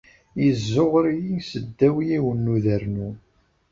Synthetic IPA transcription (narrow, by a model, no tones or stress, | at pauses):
jəzːʊʁɾijisəd̪ːæwijiwənːuðəɾnu